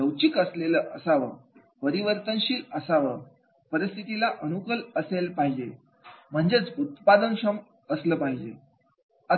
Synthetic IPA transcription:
ləwt͡ɕikəsleləːʔəsaʋə | pəɾiʋəɾt̪ənɕiːləsaʋə | pəɾist̪ʰit̪ilaʔənukələselpaɦid͡ʑe | m̤əɳd͡zet͡sut̪pad̪ənɕəm | əsləːpaɦid͡ʑḛ | ə

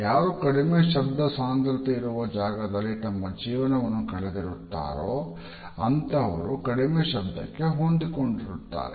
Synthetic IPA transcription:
jaːɾukɐɽimeːʃɐbd̪ɐsaːnd̪ɐɾut̪iiɾuʋɐd͡ʒaːɡɐd̪ɐlːit̪ɐmːɐd͡ʒiːʋɐnɐʋɐnːukɐɭed̪iɾut̪ːa̰ːɾoː | ɐnt̪ɐːʋɐɾukɐɽimeːʃɐb̚d̪ːɐ̰kːe̞ɦond̪iko̞ɳɖiɾut̪ːa̰ːɾe

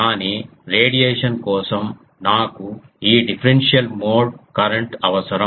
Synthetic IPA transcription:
kaːni | ɾeːɖijeːʂɐnkɔːsɐm | naːku | iːɖipʰɐɾenʂijɐlmoːɖkɐɾɐɳʈɐʋɐsɐɾɐ

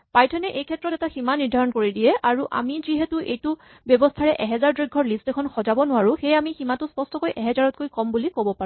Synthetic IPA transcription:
pajtʰɔnɛʔejkʰɛtːɹɔtɛtaximaniɹdʱaɹɔnkoɹidijɛʔaɹuʔa̰miziɦɛtʊʔejtʊ | bjɔbɔstʰaɹɛʔɛɦɛzaɹdɹojɡʱːɔɹlistɛkʰɔnxɔzabɔnʊwaɹũxejamiximatʊspɔstɔkojʔɛɦɛzaɹɔt̚kojkɔmbulikobɔpaɹʊ

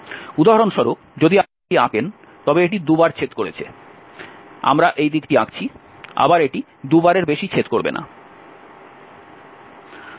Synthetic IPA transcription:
ud̪aɦaɾonʃɔɾokd͡ʑod̪ia | iaken | t̪ɔbeeʈid̪ubaɾt͡ɕʰet̪koɾḛt͡ɕʰḛ | a̰mɾaʔejd̪ikʈiakt͡ɕʰi | a̰baɾeʈi | d̪ubaɾeɾbeʃit͡ɕʰet̪koɾbḛnʔa̰

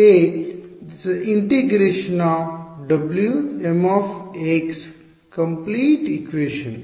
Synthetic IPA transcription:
e | sĩɳʈiɡɾeːʃənɔɖɐbljuemɔfeks | kə̃mpliːʈikʋeːʃə̃n

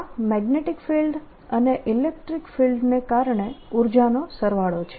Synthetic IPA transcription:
mɛɡneʈikfilɖ | əneʔilek̚ʈɾikfilɖnekaɾɳeuɾd͡ʒanosəɾʋaɭot͡ʃʰe̥

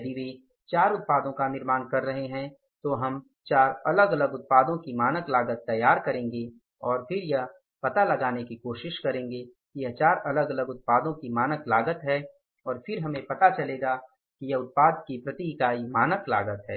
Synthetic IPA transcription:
d̪iʋe | t͡ʃaːɾʊt̪̚paːd̪õkanɪɾmaːnkɐɾːɐɦeɦɛ̃ | t̪oɦɐm | t͡ʃaːɾɐləɡɐləɡʊt̪̚paːd̪õkimaːnəklaːɡət̪ːɐjːaːɾkɐɾẽːŋɡe | ɔːɾfʰɪɾjɐɦ | pɐt̪alɐɡaːnekikoːʃɪʃkɐɾẽːŋɡekijɐt͡ʃaːɾʔɐləɡɐləɡʊt̪̚paːd̪õkimaːnəklaːɡət̪ɦɛː | ɔːɾfʰɪɾɦɐmẽpɐt̪at͡ʃɐleːɡa | kijɐʊt̪̚paːd̪kipɾɐt̪ikaːimaːnəkla̰ːɡət̪ɦɛː

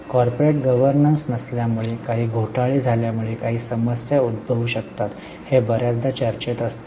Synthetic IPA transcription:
kɔɾpoɾeʈ̚ɡəʋəɾnənsnəsljamuɭekaɦiːɡʱoʈaɭiːd͡zʱaljamuɭekaɦiːsəməsjaud̪bʱəʋuːɕəkt̪at̪ | hebəɾjat͡sd̪at͡ɕəɾt͡ɕet̪əst̪

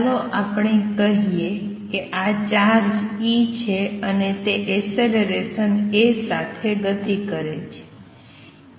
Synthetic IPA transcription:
loʔapɳ̃ekəɦijekeʔat͡ʃaɾd͡ʒit͡ʃʰeənet̪eʔeseleɾesənesat̪ʰeɡət̪ikəɾet͡ʃʰe̥

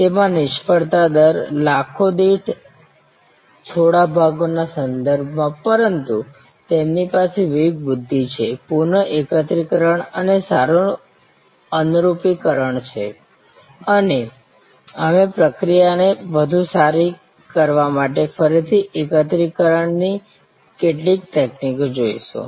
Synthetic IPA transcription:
t̪emãnɪʃpəɽt̪ad̪əɾlakʰod̪iʈʰ | t͡ʃʰoɽabʱaɡonasənd̪əɾbʱmãpəɾənt̪u | t̪emnipaseʋiɡ̚bʊd̪ʱːit͡ʃʰepuɾɳəʔekət̪ɾikəɾəɳənesaɾu | ənuɾupikəɾəɳt͡ʃʰe | əne | əmepɾəkɾijaneʋəd̪ʱũsaɾi | kəɾʋamaʈ̬efəɾit̪ʰiʔekət̪̬ɾikəɾəɳni | keʈlik̚ʈ̪eknikod͡ʒoiʃõ̰

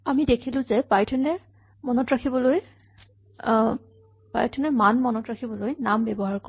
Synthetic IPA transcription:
amidekʰilʊ̃zɛpajtʰɛnɛ | mɔnɔtɹakʰibɔloj | pajtʰɛnɛmanmɔnɔtɹakʰibɔlojnambɛbɔɦaɹkɔ

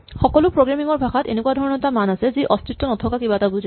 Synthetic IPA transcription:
xɔkɔlʊpɹoɡɹamiŋɔɹbʱaxatḛnekuwadʱɔɹɔnɔtamanasɛziʔɔstitːɔnɔtʰɔkakibatabuzʱi

